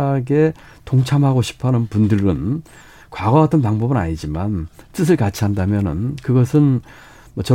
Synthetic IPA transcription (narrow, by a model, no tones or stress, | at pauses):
aɡe̞ | toŋt͡ɕʰamɦaɡoɕʰi̥pʰanɯnpundɯɾɯn | kwaɡʌɡatʰɯnpaŋbʌbɯna̰ɲid͡ʑimant͈ɯs̬ʰɯɭkat͡ɕʰiɦandamjʌnɯ̰nkɯɡʌsʰɯn | mʌt͡ɕʌ